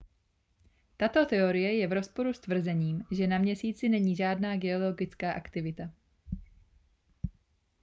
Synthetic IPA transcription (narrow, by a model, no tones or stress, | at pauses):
t̪at̪o̞t̪ɛo̞ɾɪjɛjɛvɾo̞spo̞ɾust̪vr̩zɛɲiːmʒɛnamɲɛsiːt͡sɪnɛɲiːʒaːdnaːɡɛo̞lo̞ɡɪt͡skaːʔakt̪ɪvɪt̪a